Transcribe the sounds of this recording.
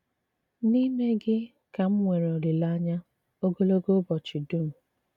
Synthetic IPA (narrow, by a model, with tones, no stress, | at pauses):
ni˦me˦ɡɪ˦ | ka˨m̩˦ŋʷe˨ɾo˨ɾɪ˨la˦ɲa˦ | o˦ɡo˦lo˦ɡo˦bɔ˨t͡ʃɪ˨du˦˨m̩˨